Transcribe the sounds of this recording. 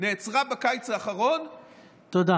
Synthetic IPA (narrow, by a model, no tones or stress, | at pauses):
neːt͡sʁabakajt͡saːχaʁon | t̪od̪a